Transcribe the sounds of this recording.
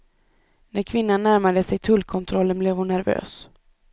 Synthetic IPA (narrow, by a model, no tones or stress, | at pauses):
næɾkʰvɪnːanːæɾmad̪əsɛjt̪ʰɵlkʰɔnt̪ʰɾɔlːənblɛːvhʊnːæɾvø̰ːs